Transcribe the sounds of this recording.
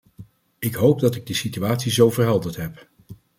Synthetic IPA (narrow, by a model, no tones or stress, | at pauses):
ɪkɦowp̚dɑtɪɡ̚dəsityaːtsizowvərɦɛlˠdəɹtɦɛp